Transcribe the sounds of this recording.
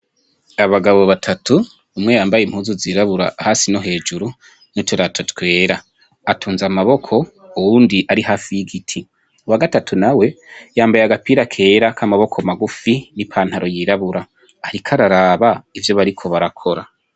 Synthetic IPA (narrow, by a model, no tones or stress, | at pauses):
aβaɡaβo̞βatʰatʰu | umŋe̞jaːmbajim̥huːzuziːɾaβuɾa̰ahasino̞ɦe̞ːd͡ʒuɾu | nitweɾatʰotkwe̞ːɾaː | tʰuːnzamaβo̞kʰo̞ | uwuːndiʔaɾihaːfijiɡitʰi | uwaɡatatʰunawe̞jaːmbajaɡapiːɾakʰe̞ːɾakʰamaβo̞kʰomaɡufinipʰaːnhaɾo̞jiɾaβuɾaː | ɾikʰaɾaɾaːβaivjo̞βaɾikʰo̞βaɾakʰo̞ɾa